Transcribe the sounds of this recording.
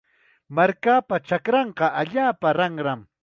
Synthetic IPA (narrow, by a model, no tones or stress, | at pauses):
maɾkaːpat͡ʃakɾɑɴqɑʔaʎaːpaɾɑŋɾam